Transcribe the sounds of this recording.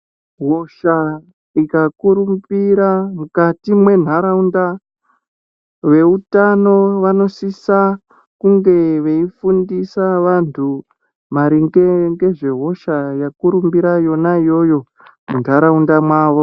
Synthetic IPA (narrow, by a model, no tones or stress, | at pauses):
ɦo̞ʃa | ikakuɾumbiɾamukatimwe̞n̤aɾaunda | ʋe̞utano̞ʋano̞sisa | kuŋɡe̞ʋe̞ifundisaʋantʰu | maɾiŋɡeŋɡe̞ʐe̞ɦo̞ʃajakuɾumbiɾajo̞naijo̞jo̞ | mun̤aɾaundamwaːʋo̞